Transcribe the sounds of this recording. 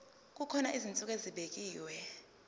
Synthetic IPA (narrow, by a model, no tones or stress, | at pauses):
k̬ʼukʰɔnaʔizint͡sʼukʼeziɓek̬ʼiːwɛ